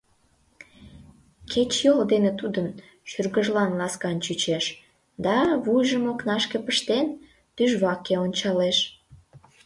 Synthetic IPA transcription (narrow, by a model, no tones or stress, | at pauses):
kʰet͡ɕjold̪enet̪ud̪ən | ʃyrɣəʒlɑnlɑskɑnt͡ɕyt͡ɕeʃ | d̪ɑβujʒəmoknɑʃkepəʃt̪en | t̪yʒβɑkeonʲt͡ɕɑleʃ